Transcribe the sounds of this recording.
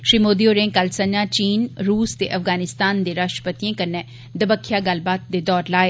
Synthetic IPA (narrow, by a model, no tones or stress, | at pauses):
ʃɾiːmoːd̪ioːɾẽːkəlsə̃ɲd͡ʒãːt͡ʃiːnɾuːst̪eːʔɐfɡaːnɪst̪aːnd̪eːɾaːʃʈə̥pət̪iẽkəɾnɛː | d̪əbəkʰːijaːɡəlbaːt̪̚d̪eːd̪ɔːɾlaːeː